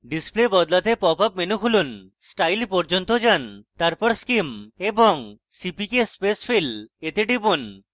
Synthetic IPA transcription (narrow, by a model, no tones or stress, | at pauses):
ɖisplebɔd̪lat̪epɔpapmenukʰulun | sʈajlpɔɾd͡ʒont̪od͡ʒant̪aɾpɔɾskimeboŋ | sipikespesfʰilet̪eʈipun